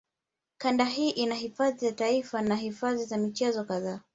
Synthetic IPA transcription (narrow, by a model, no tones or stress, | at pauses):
kandaɦiːʔinahifaðizataifanaɦifaðizamit͡ʃɛzɔkaðaː